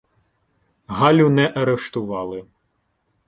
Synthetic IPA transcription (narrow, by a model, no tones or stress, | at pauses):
ɦɑlʲʊnɛʔɐɾeʃt̪ʊʋɑlˠɪ